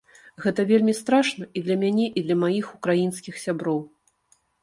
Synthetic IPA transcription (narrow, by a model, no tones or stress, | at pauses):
ɣɛt̪ɐvʲelʲmʲist̪ɾaʂnɐid̪lʲɐmʲanʲɛʔid̪lʲɐmajixukɾajinskʲixsʲabɾɔw